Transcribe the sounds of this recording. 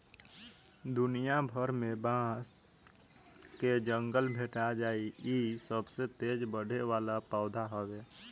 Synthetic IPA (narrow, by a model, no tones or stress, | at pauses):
d̪ʊnijabʱəɾmẽbãːs | ked͡ʒə̃ŋɡəlbʱeːʈad͡ʒaːiiːsəbset̪eːd͡ʒbəɽ̤ʱeʋaːlapaːd̪ʱaɦoːʋeː